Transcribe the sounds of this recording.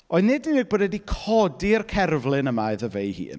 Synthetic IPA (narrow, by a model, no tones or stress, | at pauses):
ɔɨðnɪdnːiːɡ̚boːdɛdikʰɔdiərkʰɛrvlˠɪnəmaɨðəvejhḭːn